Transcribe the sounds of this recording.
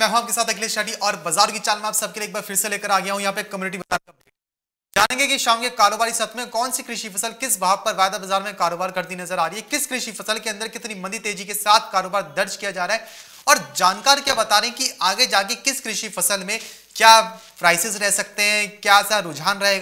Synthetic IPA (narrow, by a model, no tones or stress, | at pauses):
mɛ̃ːɦaːp̚kesaːt̪ɐkliːʃaːʈ̬iʔɔːɾbɐzaːɾ̃kit͡ʃaːlmẽaːpsɐb̚kelieːk̚baːɾfʰɪɾseleːkəɾaːɡɐjaɦũjɐɦãːp̬ekːɐmjuːnɪʈibɐtaːɐ | d͡ʒaːnẽːŋɡekiʃaːmkekaːɾoːbaːɾisɐt̪ʰmẽkɔːnsikɾɪʃifɐsəlkɪsbʱaːɡ̚pɐɾʋaːd̪abɐzaːɾmẽkaːɾoːbaːɾkɐɾd̪inɐzəɾaːɾɐiɦɛkɪskɾɪʃifɐsəlkeɐ̃nd̪əɾkɪt̪nimɐ̃nd̪it̪eːd͡ʒikesaːt̪ʰkaːɾoːbaːɾd̪ɐɾt͡ʃkijad͡ʒaːɾaːɦɛ | ɔːɾd͡ʒaːnkaːɾkjaːbɐt̪aːɾẽɦɛ̃kiaːɡed͡ʒaːkekɪskɾɪʃifɐsəlmẽ | kjaː | pɾaːɪsɪzɾɛɦsɐk̚t̪eɦɛ̃kjaːsaɾʊd͡ʒʱɦaːnɾɐɦeːɡa